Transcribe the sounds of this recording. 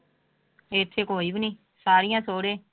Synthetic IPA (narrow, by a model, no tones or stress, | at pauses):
eːt̪ʰːeːkoːiːbnĩː | saːɾɪjãːsoːɽeː